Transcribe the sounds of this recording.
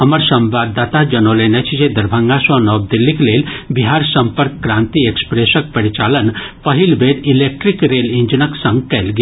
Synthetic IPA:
ɦɐməɾsɐ̃mʋaːd̪aːt̪ad͡ʒɐnoːleːnɛt͡ʃʰd͡ʒed̪ɐɾbʱə̃ŋɡasɔ̃nɔːb̚d̪ɪlːikleːlbiɦaːɾsə̃mpəɾkːɾãːnt̪iekspɾeːsək̚pɐɾit͡ʃaːlənpəɦilbeːɾileːk̚ʈɾikɾeːlĩɲd͡ʒənəksɐ̃ŋɡkɛːlɡi

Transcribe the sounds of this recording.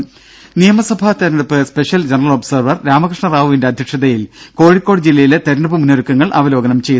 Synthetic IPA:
nijɐmɐsɐbʱat̪eɾɐɳɐpːɨspe̞ɕjɐld͡ʑenɐrɐlobsɐrʋɐrɾaːmɐkrɨʂɳɐraːʋuʋinde̞ɐd̪ʱjɐkʂɐðɐjilko̞ːɻikːo̞ːɽd͡ʑilːɐjilet̪eɾɐɳɐpːɨmunːoɾukːɐŋːɐɭʔɐ̰ʋɐlo̞ːɡɐnɐmt͡ɕe̞ju

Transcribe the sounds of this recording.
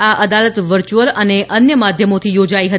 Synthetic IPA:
aʔəd̪alət̪ʋəɾt͡ʃuʋəɾəneʔənjəmad̪ʱjəmot̪ʰijod͡ʒaiɦə

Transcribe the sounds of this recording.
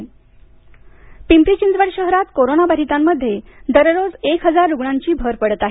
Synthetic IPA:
pimpɾit͡ɕind̪ʋəɽɕəɦɾat̪koɾonabəɾit̪amːəd̪ʱːjed̪əɾɾod͡zekɦəd͡zaɾːuɡɳaɲt͡ɕiːbʱəɾpəɽət̪aɦ

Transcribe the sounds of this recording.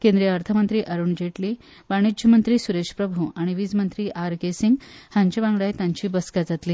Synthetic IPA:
kẽnd̪ɾijəəɾt̪ʰəmənt̪ɾiːʔəɾuːɳd͡ʑeʈli | ʋaɽ̃id͡ʑʱəmənt̪ɾiːsuɾeɕpɾəbʱuaɽ̃iʋiːd͡zmənt̪ɾiːʔaɾɡesiŋɡhãɲt͡ɕibãŋɡɭajt̪jãɲt͡ɕiːbəskad͡zat̪liː

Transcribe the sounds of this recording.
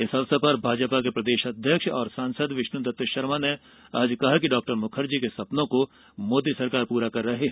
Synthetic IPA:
ɪsɐʋsapɐɾbʱaːd͡ʒpakepɾɐd̪eːʃɐd̪ʱjəkʃɔːɾsãːnsəd̪ʋɪʃnʊd̪ɐt̪jəʃɐɾmane | aːd͡ʒkɐɦakiɖɔːk̚ʈəɾmʊkʰəɾd͡ʒikesɐpnõko | moːd̪isɐɾkaːɾpuːɾakɐɾːɐɦe

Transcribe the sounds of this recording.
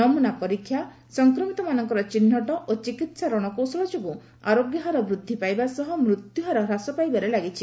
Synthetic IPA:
ɔmunapɔɾikʰːja | sɔŋkɾɔmit̪ɔmanɔŋkɔɾɔt͡ʃinːɔʈɔʔot͡ʃikit̪saɾɔɽ̃ɔkowsɔɭɔd͡ʒɔbu | a̰ɾoɡjɔɦɔɾɔbɾud̪ʱːipajbasɔɦɔmɾut̪juɦɔɾɔɾasɔpajbaɾelaɡit͡ʃʰi̥

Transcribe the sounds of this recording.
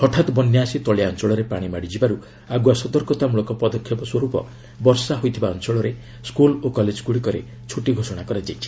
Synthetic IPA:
ɔʈʰat̪bɔnjasit̪ɔɭjaɔnt͡ʃɔɭɔɾepaɽ̃imaɽid͡ʒibaɾu | aɡuasɔd̪ɔɾkɔt̪amuɭɔkɔpɔd̪ɔkʰːjɔpɔswɔɾupɔ̰ | bɔɾsaɦojt̪ʰibaɔnt͡ʃɔɭɔɾe | skulokɔled͡ʒɡuɽikɔɾḛ | t͡ʃʰuʈiɡʱosɔɽ̃akɔɾad͡ʒajt͡ʃʰi̥

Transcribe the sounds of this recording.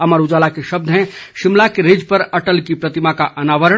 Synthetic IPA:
əməɾud͡ʒalakeʃəb̚d̪ʱɦɛ̃ʃimlakeɾid͡ʒpəɾəʈəlkipɾət̪imakaʔənaʋəɾə

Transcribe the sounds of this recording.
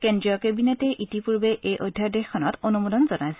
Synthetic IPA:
kendɹijɔkebinetɛʔitipuɹbeʔejʔojdʱjadexkʰːɔnɔtonumudɔnzɔnajsɛ

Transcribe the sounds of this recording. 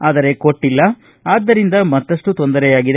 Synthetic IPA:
aːd̪ɐɾe̞ko̞ʈːilːɐ | aːd̪ːɐɾind̪ɐmɐt̪ːɐʂʈut̪o̞nd̪ɐɾɛjaːɡid̪e

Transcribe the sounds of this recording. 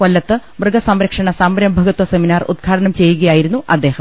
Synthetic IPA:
kolːɐt̪ːɨbrɨɡɐsɐmɾɐkʂɐɳɐsambɐɾɐmbʱɐɣut̪wɐse̞minaːrṵd̪̚ɡʱaːɽɐɳɐmt͡ɕe̞jːuɣɐjaːjiɾunːuʔɐd̪ːe̞ːhɐm

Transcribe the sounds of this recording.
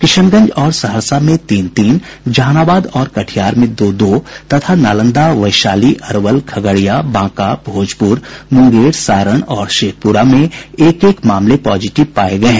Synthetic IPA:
kɪʃənɡə̃ɲd͡ʒɔːɾsɐɦəɾsamẽt̪iːnt̪iːn | d͡ʒaːnaːbaːd̪ɔːɾkɐʈʰijaːɾmẽd̪oːd̪oːt̪ɐt̪ʰanaːlə̃nd̪aʋɐɪʃaːliʔɐɾʋəlkʰɐɡəɽijabãːkabʱoːd͡ʒpʊɾmʊ̃ŋɡeːɽsaːɾəɽ̃ɔːɾʃeːk̚pʊɾamẽeːkeːkmaːmlepɔːd͡ʒɪʈɪʋpaːeɡɐẽ

